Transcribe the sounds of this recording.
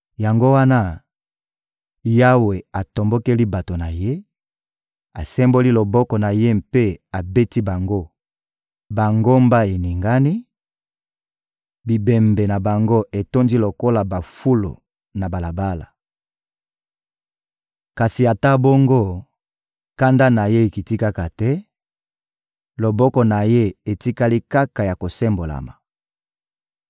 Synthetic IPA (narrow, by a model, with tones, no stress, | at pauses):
ja˨ŋɡo˦wa˦na˦ | ja˦we˨a˨to˨mbo˦ke˦li˦ba˨to˨na˨je˦ | a˨sɛ˦mbo˦li˦lo˨bɔ˦kɔ˨na˨je˦mpe˦a˨be˦ti˦ba˨ŋɡo˦ | ba˨ŋɡo˦mba˦e˨ni˨ŋɡa˦ni˦ | bi˨bɛ˨mbe˨na˨ba˨ŋɡo˦e˨to˦ndi˦lo˨ko˦la˨ba˨fu˦lo̰˨ | na˨ba˨la˨ba˦la̰˨ | ka˨si˨a˨ta˦bo˦ŋɡo˦ | ka˦nda˦na˨je˦e˨ki˨ti˦ka˦ka˨tɛ˦ | lo˨bɔ˦kɔ˨na˨je˦e˨ti˦ka˦li˦ka˦ka˨ja˨ko˨sɛ˦mbo˨la̰˨ma˨